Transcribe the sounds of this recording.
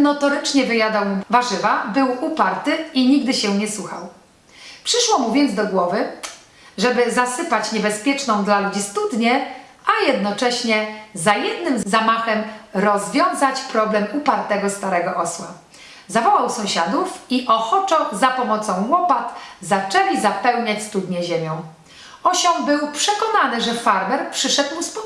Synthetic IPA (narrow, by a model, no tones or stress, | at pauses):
nɔt̪ɔɾɘt͡ʂɲɛvɘjad̪awmvaʐɘvabɘwupaɾt̪ɘiɲiɡd̪ɘɕɛɲɛsuxa̰w | pʂɘʂwɔmuvʲjɛnd̪zd̪ɔɡwɔvɘ | ʐɛbɘzasɘpat͡ɕɲɛbɛspʲjɛt͡ʂnɔ̃w̃d̪lalud͡ʑist̪ud̪ɲɛ | ʔajɛd̪nɔt͡ʂɛɕɲɛzajɛd̪nɘmzamaxɛmɾɔzvʲjɔ̃w̃zat͡ɕpɾɔblɛmupaɾt̪ɛɡɔst̪aɾɛɡɔʔɔswa | zavɔwawsɔ̃w̃ɕad̪ufiʔɔxɔt͡ʂɔzapɔmɔt̪sɔ̃w̃wɔpat̪zat͡ʂɛlʲizapɛwɲat͡ɕʲst̪ud̪ɲɛʑemʲjɔ̃w̃ | ɔɕɔmbɘwpʂɛkɔnanɘʐɛfaɾbɛɾpʂɘʂɛd̪muspɔ